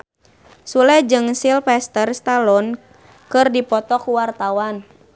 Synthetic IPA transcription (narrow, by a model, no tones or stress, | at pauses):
sulɛd͡ʒɨŋsilfɛst̪ərst̪alɔn | kɨrdipɔt̪ɔkuwart̪awan